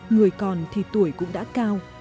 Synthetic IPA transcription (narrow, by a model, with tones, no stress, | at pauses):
ŋɨ˨˩əjkɔ˨˩nt̪ʰi˨˩t̪u˧˩əjkʊ̰˧˥ŋ͡mɗa̰ː˧˥kaː˧w